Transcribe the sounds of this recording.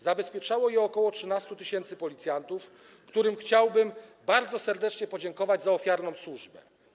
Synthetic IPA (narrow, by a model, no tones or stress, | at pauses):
zabɛspʲjɛt͡ʂawɔjɛɔkɔwɔtʂɘnast̪ut̪ɘɕɛnt̪sɘpɔlʲit̪sʲjant̪uf | kt̪uɾɘmxt͡ɕawbɘmbaɾd̪zɔsɛɾd̪ɛt͡ʂɲɛpɔd͡ʑɛŋkɔvad͡ʑzaɔfʲjaɾnɔ̃w̃swuʐbɛ